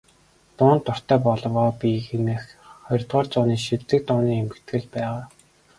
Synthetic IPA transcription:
t̪ʊːnt̪ːʊr̥t̪œːpɔɮɞwɔːpixenĕxχɔjrt̪ʁɔːrt͡sʊːniːʃit͡sɘ̆k̚t̪ʊːniːemɘ̆kt̪ɡɘ̆ɮpæːʁaː

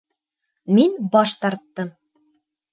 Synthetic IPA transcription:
minbɑʃt̪ɑɾt̪ːɤm

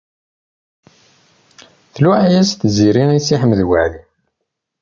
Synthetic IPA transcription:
θluʕæjæst̪ziɾinæjsiħəmːðwaʕði

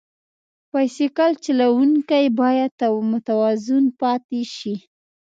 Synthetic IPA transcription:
pajsekalt͡ʃalawuŋkajbɑjad̪̚t̪amʊt̪awɑzʊnpɑt̪eʃi

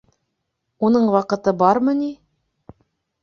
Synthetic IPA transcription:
unɤɴwɑqɤ̆t̪ɤbɑɾmɤni

